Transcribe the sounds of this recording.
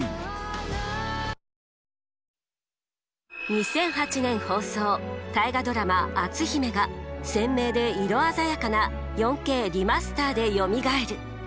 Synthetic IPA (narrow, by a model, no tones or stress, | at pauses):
ɲisẽ̞ɰ̃hat͡ɕinẽ̞ɰ̃ho̞ːso̞ːt̪aiɡad̪o̞ɾamaːt͡sɨçime̞ɡasẽ̞mːe̞ːd̪e̞iɾo̞azajakana | jõ̞ŋke̞ːɾʲimasɨ̥t̪aːd̪e̞jo̞mʲiɡae̞ɾɯ̟